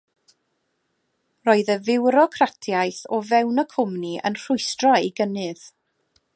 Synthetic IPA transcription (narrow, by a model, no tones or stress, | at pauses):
rɔɨðəvɪwɾɔkʰratʰjajθɔvɛwnəkʰʊmniʔə̰nr̥ʊɨstraiɡənɨð